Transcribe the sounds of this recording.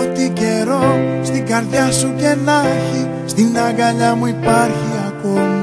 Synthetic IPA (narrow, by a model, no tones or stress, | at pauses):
t̪iceɾost̪iɡaɾðjɐsuce̞naçi | st̪inaɣaʎɐmuipaɾçiakomi